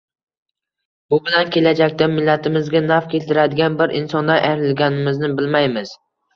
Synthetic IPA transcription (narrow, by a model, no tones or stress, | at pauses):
bʊbɪlankʲʰe̞lad͡ʒakʲt̪amːɪlːat̪ʰɪmɪzɡʲanafkʲʰe̞lt̪ʰɪɾad̪ɪɡʲanbɪɾʔɪ̰nsɒnd̪anʔajɾɪlɡʲanɪmɪznɪbɪlmajmɪz̥